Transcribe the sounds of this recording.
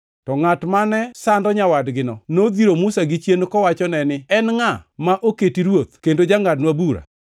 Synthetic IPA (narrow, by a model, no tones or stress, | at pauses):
tɔŋatmanɛsandɔɲawadɡɪnɔnod̪iɾomʊsaɡɪt͡ʃjenkɔwat͡ʃɔnɛnɪɛnŋamaʔoketiɾwot̪̚kendod͡ʒaŋadnwabuɾa̰